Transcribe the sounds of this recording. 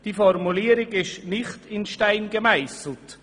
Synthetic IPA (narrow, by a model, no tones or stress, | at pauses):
d̥iːfɔɾmuliːəɾɪɡɪʃnɪχtɪnʃtaɪnɡəmaɪsl̩t